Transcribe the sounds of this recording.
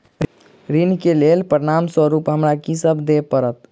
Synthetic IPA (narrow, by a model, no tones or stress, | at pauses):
ɾinkelelpəɾiɽamswəɾupɦəmɾakisəbʱd̪epəɾət̪̚